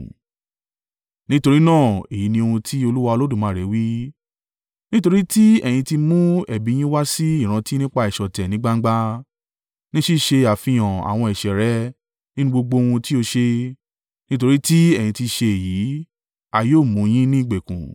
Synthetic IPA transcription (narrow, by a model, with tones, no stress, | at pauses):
nĩ˦to˧ɾi˦nãː˦˨e˨ji˨˦nĩ˧o˧hũ˧tʰi˦o˧lu˦wa˧o˧lo˦dũ˦˨mãː˨˦˨ɾɛ˨˦wi˦ | nĩ˦to˧ɾi˦ti˦ɛ̰˨j̃ĩ˧ti˧mũ˦ɛ˨bĩ˨˦ĩ˦wa˦si˦i˦˨ɾ̃ã˧ti˦nĩ˦k͡pa˧ɛ˨ʃɔ˨tɛ˨nĩ˨˦ɡ͡ba˦ŋ̩˦ɡ͡ba˦ | nĩ˦ʃi˦˨ʃe˧a˨fĩ˨j̃ã˨a̰˨w̃ɔ̃˧ɛ˨ʃɛ˨ɾɛ˨˦ | nĩ˦nũ˦ɡ͡bo˧ɡ͡bo˧wũ˧ti˦o˧ʃe˧ | nĩ˦to˧ɾi˦ti˦ɛ˦˨jĩ˧ti˧ʃe˧e˨ji˨˦ | a˨joː˦˨mũ˨˦j̃ĩ˦nĩ˦˨ɡ͡be˨kṵ̃˨